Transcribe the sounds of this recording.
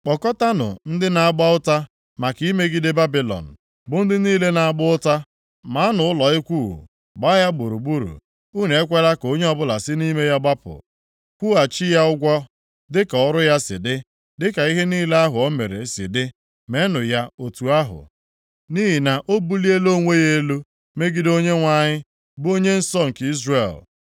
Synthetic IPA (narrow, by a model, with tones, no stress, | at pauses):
k͡pɔ˨kɔ˦ta˦nʊ̰˨n̩˦dɪ˦na˨a˦ɡ͡ba˦ʊ˦ta˦ | ma˨ki˦me˦ɡi˦dɪ˦ba˦bi˨lɔ̰˨n̩˨ | bʊ˨n̩˦dɪ˦niː˦le˦na˨a˨ɡ͡bʊ˦ʊ˦ta˦ | ma˨˦nʊ˨ʊ˦lɔ˨ɪ˦kʷu˦˨ɦṵ˨ | ɡ͡ba˦ja˦ɡ͡bo˨ɾu˨ɡ͡bu˦ɾṵ˨ | u˦n˨e˦kʷe˦la˦ko˦ɲe˦ɔ˦bʊ˦la˨sɪ˦ni˦me˦ja˦ɡ͡ba˦pʊ̰˨ | kʷu˦a˨t͡ʃi˦ja˦ʊ˦ɡʷɔ˦ | dɪ˦ka˨ɔ˦ɾʊ˦ja˦sɪ̰˨dɪ˦ | dɪ˦ka˨i˦ɦe˦niː˦le˦a˦ɦʊ˨ɔ˦me˨ɾḛ˨˦sɪ̰˨dɪ˦ | me˦nʊ˨ja˦o˨tu˨a˦ɦʊ̰˨ | ni˦ɦi˨na˨ʔo˦bu˦li˦e˦lo˦ŋʷe˦je˦lu˦ | me˦ɡi˦do˦ɲe˦ŋʷa˦ɲɪ˦ | bo˦ɲe˦n̩˦sɔ˦ŋ̩˨ki˦zre˦˨l